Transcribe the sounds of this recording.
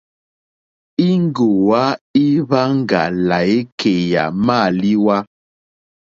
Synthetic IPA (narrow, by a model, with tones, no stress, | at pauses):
i˦ŋ˦ɡo˨wa˦i˦βa˦ŋ̩˦ɡa̰˨la˨e˦kʰe˨ja̰˨ma˦˨li˦wa˦